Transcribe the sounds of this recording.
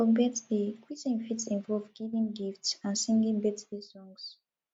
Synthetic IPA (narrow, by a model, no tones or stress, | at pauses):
ɔbɛtsbikwizĩnfitsĩnvɔlvɡivĩŋɡiftsãnsĩŋɡĩŋbɛtbisɔ̃ŋs